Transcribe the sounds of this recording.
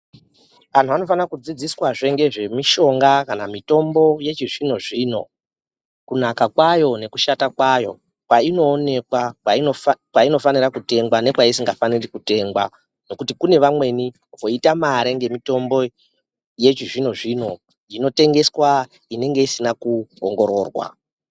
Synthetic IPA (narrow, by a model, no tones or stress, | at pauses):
an̤uano̞fanakud͡zid͡ziswaʐe̞ŋɡe̞ʐe̞miʃo̞ŋɡakanamito̞mbo̞je̞t͡ʃiʐino̞ʐiːno̞̰ | kunakakwajo̞ne̞kuʃatakwajo̞̰ | kwaino̞ːne̞kwawaokwaino̞fanirakute̞ŋɡwane̞kwaisiŋɡafanirikute̞ːŋɡwa̰ | no̞kutikune̞ʋamwe̞ni | ʋo̞itamaɾeŋɡe̞mito̞mbo̞ | je̞t͡ʃiʐino̞ʐiːno̞ | ino̞te̞ŋɡe̞swa | ine̞ŋɡe̞isinakuoŋɡo̞ɾo̞̰ːrwa̰